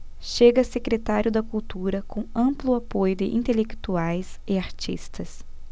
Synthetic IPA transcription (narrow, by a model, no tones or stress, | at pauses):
ʃeɡɐsekɾet̪aɾʲjʊd̪ɐkuwt̪uɾɐkʰõɐ̃mplʊapojʊd̪ɪʔĩnt̪elekt̪uajsɪaɾt͡ʃḭst̪ɐs